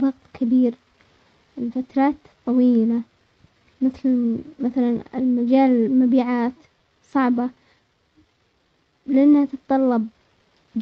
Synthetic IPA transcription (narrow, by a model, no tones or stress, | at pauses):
ðˤɑɣt̪ˤkʰɪbiːɾ | ɪlfat̪ɾˤɑːt̪t̪ˤːɑwiːla | mɪθlmaθalanɪ̰lmad͡ʒaːlmabiːʕaːt̪ | sˤɑʕba | lɪʔanːhat̪ɨt̪t̪ˤːɑlːɑb̚ | d͡ʒ